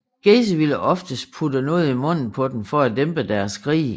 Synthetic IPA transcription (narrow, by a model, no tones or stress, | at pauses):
ɡ̥es̬əʋiləʔɒ̽fd̥əsd̥̚pʰudənoð̞̩ˠimɔ̽n̰n̩pʰɒ̽d̥em̩fɒæd̥emb̥əd̥æɐsɡ̥ʰʁḭː